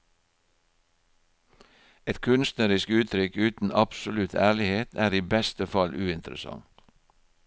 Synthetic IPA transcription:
ɛt̪kʰʉnst̪nəɾɪskʉːt̪ʰɾʏkʉːt̪n̩ɑpsʊlʉt̪ʰæːɭɪheːt̪ʰæːɾiːbɛst̪əfɑlʔʉːɪnt̪əɾə̰sɑ̰ŋ

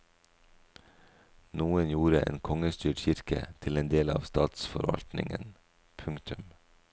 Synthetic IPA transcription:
nuːənjuːɾəʔḛːnkʰɔŋəst̪yːʈçɪɾkə̰t̪ʰɪleːnd̪eːlɑːʋst̪ɑːt̪sfɔɾʋɑ̰lt̪nɪŋən | pʰʉŋkt̪ʉm

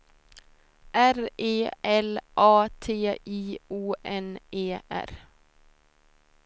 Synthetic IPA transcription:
ʔæɾeːʔɛlʔɑːt̪ʰeːʔiːʔuːʔɛneːʔæ̰ɾ

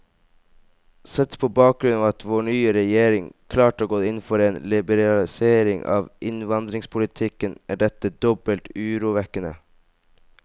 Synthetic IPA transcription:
sɛt̪pʰoːbɑːk̚ɡɾʉnɑːʋɑt̪ʋoːɳyːəɾɛjeːɾɪŋkʰlɑːʈəoːɡoːɪnfɔɾeːnlɪbəɾɑlɪseːɾɪŋʔɑ̰ːʋʔɪnʋɑnd̪ɾɪŋspʰʊlɪt̪ʰɪkənæːɖɛt̪əd̪ɔbəlt̪ʉːɾuːʋɛkənə̰

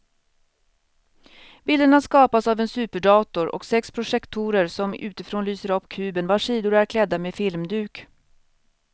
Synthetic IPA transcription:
b̥ɪld̪əɳaskɑːpasavɛnsʉ̟ːpəɖɑːt̪ʊɾɔ̰ksɛkspʰɾʊʂɛkt̪ʰuːɾəɾsɔmʉ̟̰ːt̪ɪfɾoːnlyːsəɾɔpːkʰʉ̟ːbənvaʂiːd̪ʊɾæɾkʰlɛd̪ːameːfɪlmd̪ʉ̟ːk

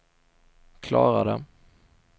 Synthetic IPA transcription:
kʰlɑːɾad̪ə̰

